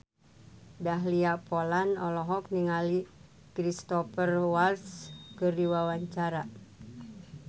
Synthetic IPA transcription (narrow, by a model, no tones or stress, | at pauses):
daɦliapolanɔlɔɦɔk̚niŋali | kɾist̪ɔfərwalskɨrdiwawaɲt͡ʃaɾa